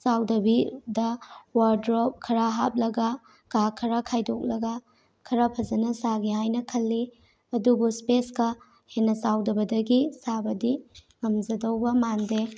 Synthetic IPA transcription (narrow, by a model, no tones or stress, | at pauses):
sawdɐbidɐwaɾdɾop̚kʰɐɾaɦap̚lɐɡɐ | kakʰɐɾakʰajdok̚lɐɡɐ | kʰɐɾɐpʰɐzɐnɐsaɡiɦajnɐkʰɐlːi | ɐdubuspeskɐ | henːɐsawdɐbɐdɐɡisabɐdiŋɐmzɐdɐwbɐmande